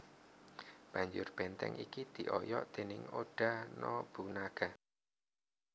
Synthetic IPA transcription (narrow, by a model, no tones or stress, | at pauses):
b̥a̤ɲd͡ʒʊrb̥ɛnt̪ɛ̰ŋʔikid̪̥i̤ʔɔjɔʔd̪̥e̤nɪŋoɖ̥a̤nɔb̥ṳnaɡ̥a̤